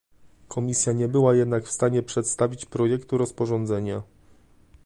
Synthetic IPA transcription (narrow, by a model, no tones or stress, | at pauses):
kʰɔmʲisʲjaɲɛbɘwajɛd̪nakfst̪aɲɛpʂɛt̪st̪avʲit͡ɕpɾɔjɛkt̪uɾɔspɔʐɔnd̪zɛɲa